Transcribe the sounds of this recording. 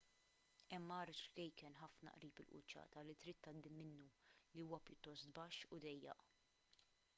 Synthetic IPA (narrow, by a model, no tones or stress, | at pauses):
ɛmːɐːɾɪt͡ʃkɛjkɛnħɐfnɐ̰ʔɾiːpɪlʔʊ̰t͡ʃːɐ̰ːt̪ɐlit̪ɾiːt̪ːɐd̪ːɪmːɪnːuliuːwɐpjʊt̪ːɔst̪bɐʃːʊd̪ɛjːɐ̰ʔ